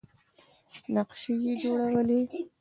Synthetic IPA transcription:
naqʃejed͡ʒoɽawəle

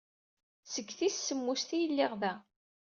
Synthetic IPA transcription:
səɡːθissːəmːust̪ijəlːɪʁðæ

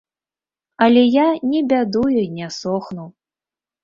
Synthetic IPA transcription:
ɐlʲɛjanʲɛbʲad̪ujuinʲɛsɔxnuw

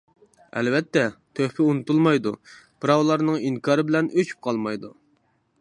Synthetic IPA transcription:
ɛ̰lvɛt̪ːɛt̪ʰøhpʰɪunut̪ulˠmɑjd̪u | pʰɾɑwlˠɑɾnɨŋiŋkʰɑːɾɨbɪlɛnʔøt͡ʃʰy̥p̚qʰɑlˠmɑjd̪u

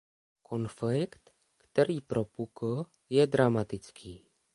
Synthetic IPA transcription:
kʰonflɪkt̪ | kt̪ɛɾiːpɾopukl̩ | jɛd̪ɾamat̪ɪt͡skʰiː

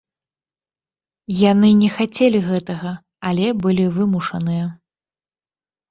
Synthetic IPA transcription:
janɨnʲɛxat͡sʲelʲiɣɛt̪ɐɣɐ | alʲɛbɨlʲivɨmuʂɐ̰nɨjɐ

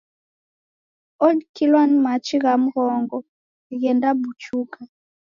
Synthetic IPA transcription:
ɔdkilanmat͡ʃiɣam̩ɣɔŋɡɔ | iɣɛndabut͡ʃuka

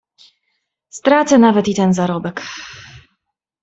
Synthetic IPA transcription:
st̪ɾat̪sɛnavɛt̪it̪ɛnzaɾɔbɛk

